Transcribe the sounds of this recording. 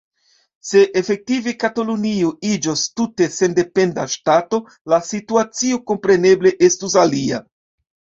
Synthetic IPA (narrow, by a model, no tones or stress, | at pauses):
se̞ʔefe̞k̚tivekatoluniuid͡ʒostute̞se̞nde̞pe̞ndaʃtato̞ | lasituat͡sio̞ko̞mpɾe̞ne̞ble̞ʔe̞stus̬alia̰